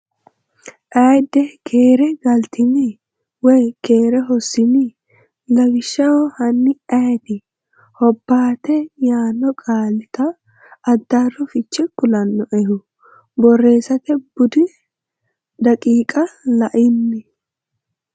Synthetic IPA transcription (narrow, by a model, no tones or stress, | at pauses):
ʔɐjd̪ːɛkʰeːɾɛɡɐlt̪ʰɪnɪ | wɔjkeːɾɛɦɔsːɪnɪ | lɐɡɪʃːɐwɔhɐnːɪɐjɛt̪ɪ | hɔbːaːt̪ɛjaːnːɔkʼaːlɪt̪ɐː | d̪ːarːɔfɪt͡ʃːɛkʊlɐnːɔʔɛhʊ | bɔrːe̞ːsɐt̪ɛbʊd̪ɪ | d̪ɐkʼiːkʼɐlɐʔɪnːɪ